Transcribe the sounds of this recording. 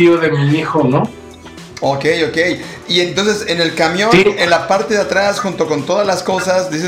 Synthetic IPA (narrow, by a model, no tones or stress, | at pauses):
ioðe̞miixono | okejo̞ke̞j | ie̞nt̪o̞ns̬e̞se̞ne̞lkamjo̞nenlapaɾt̪e̞ðeat̪ɾasxunt̪o̞ko̞nt̪o̞ðazlasko̞sazd̪is̬e